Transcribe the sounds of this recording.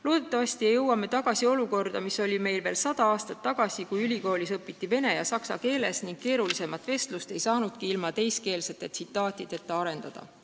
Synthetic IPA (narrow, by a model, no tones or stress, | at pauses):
lo̞ːd̪̥e̞t̪ːˑɑvɑst̪ijejɤwːɑme̞t̪ɑɡ̥ɑsio̞luko̞rd̪ɑmiso̞lʲime̞jlve̞ːlsɑd̪ɑɑːst̪ɑt̪ːɑɡ̥ɑsikujylʲiko̞ːlisɤpːˑit̪ːˑive̞ne̞jɑsɑksɑ̰ke̞ːle̞sniŋɡ̥̚ke̞ːɾulise̞mɑt̪ːˑve̞st̪lust̪e̞jsɑːnud̪̥kiilmɑt̪e̞jske̞ːlset̪e̞t̪sit̪ːˑɑːt̪ʲˑid̪̥e̞t̪ːeɑɾe̞nd̪̥ɑd̪̥ɑ̰